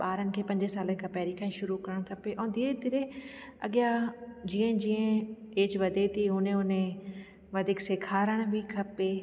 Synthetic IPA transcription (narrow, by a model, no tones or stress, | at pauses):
ɓaːɾənɪ̆kʰeːpɐ̃ɲd͡ʒesaːlənɪkʰãːpɛːɾikʰãːĩʃʊɾukɐɾəɽ̃kʰɐpeʔɛ̃ːd̪ied̪ɪɾeɐɠɪjad͡ʑĩːə̃d͡ʑĩːə̃eːt͡ʃʋɐd̪ʱet̪ʰiɦʊnẽʊnẽ | ʋɐd̪ʱɪkseːkʰaːɾəɽ̃bʱikʰɐpe